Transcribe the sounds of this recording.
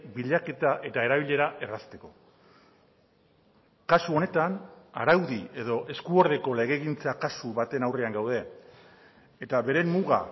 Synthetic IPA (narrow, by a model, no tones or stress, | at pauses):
biʎake̞t̪aʔe̞t̪ae̞ɾaβiʎe̞ɾaʔe̞rast̪e̞ko̞ | kasuo̞ne̞t̪ana̰ɾawðie̞ðo̞ʔe̞skuo̞ɾð̞e̞ko̞le̞ɣ̞e̞ɣint͡sakasuβat̪e̞nawre̞aŋɡawð̞e̞ | t̪aβe̞ɾe̞mːuɣa̰